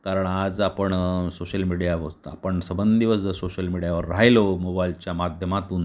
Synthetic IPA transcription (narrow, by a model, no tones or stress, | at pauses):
kaɾəɳad͡zapəɳsoɕəlmiɽijaʋ̪a̰pəɳsəbənd̪d̪iʋəsd͡zəsoɕəlmiɽjaʋəɾːajlomobailt͡ɕjamad̪ʱjəmat̪uːn